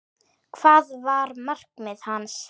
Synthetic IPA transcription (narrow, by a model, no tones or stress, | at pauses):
kʰv̥aːðvaɾmar̥kmɪðhanːs